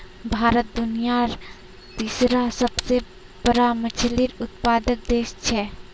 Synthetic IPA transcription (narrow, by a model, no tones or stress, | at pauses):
bʱaːɾət̪̚d̪ʊnijaɾ | t̪iːsɾasəbse | bəɾamət͡ʃʰliɾʊt̪̚paːd̪ək̚d̪eːʃt͡ʃʰɛ